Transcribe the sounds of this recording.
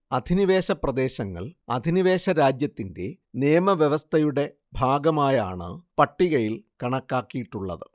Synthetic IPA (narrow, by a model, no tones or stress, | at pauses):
ɐd̪ʱiniʋe̞ːɕɐprɐd̪e̞ːɕɐŋːɐ̰ɭɐ̰d̪ʱiniʋe̞ːɕɐɾaːd͡ʑjɐt̪ːinde̞ | neːjɐmɐʋjeʋɐst̪ʰɐjuɽe̞ | bʱaːɡɐmaːjaːɳɨ̰pɐʈːiɣɐjilkɐɳɐkːaːkːijiʈːuɭːɐ̰ðɨ